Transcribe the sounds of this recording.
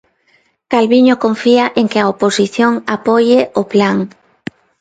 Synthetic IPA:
kalβiɲokoɱfiaʔeŋkɪaoposiθjoŋapɔjɪoplaŋ

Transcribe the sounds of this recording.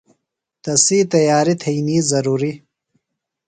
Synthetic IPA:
t̪ɐsiːt̪ɐjaːɾit̪ʰɐjniːzɐɾuːɾi

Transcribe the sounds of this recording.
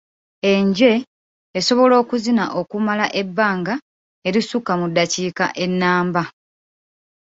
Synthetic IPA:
e̞ɲɟe̞ː | so̞βo̞lo̞ːkuzinaʔo̞kumalaʔe̞bːaːŋɡa | e̞ɾisukamudːaciːka̰ʔe̞nːaːmba

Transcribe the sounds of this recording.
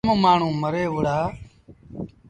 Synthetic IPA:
mõːmaːɳ̤ũːməɾeːʋʊɽaː

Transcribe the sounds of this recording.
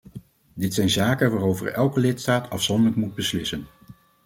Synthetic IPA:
dɪtsɛjnzaːkənʋaːrowvə̰ɹɛlˠkəlɪtstaːtʰɑfsɔndələk̚mud̚bəslɪsən

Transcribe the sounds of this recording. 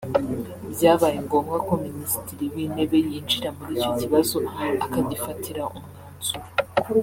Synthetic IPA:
bjaːβajeŋɡo̞ːmɡako̞minisi̥tiɾiwiːne̞βe̞jiːnd͡ʒiɾamuɾiːco̞ciβazo̞akaɟifatʰiɾaomŋaːnz̥u

